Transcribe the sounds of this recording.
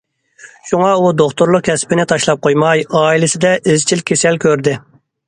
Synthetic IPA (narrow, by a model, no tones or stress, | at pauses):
ʃuŋɑud̪oχt̪ʊɾlˠʊq̚kʲʰɛspɪnɪt̪ʰɑʃlˠɑp̚qʰojmɑjɑːilɪsɪd̪ɛʔɪzt͡ʃʰilkʲʰesɛlkʲøɾd̪ɪ